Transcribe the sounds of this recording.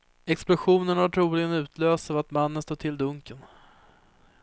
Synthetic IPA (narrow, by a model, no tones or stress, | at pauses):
ɛksplʊɧuːnənaʈʰɾuːlɪɡənʉ̟ːt̪ʰløːst̪avat̪manːənst̪oːt̪ʰɪld̪ɵŋkən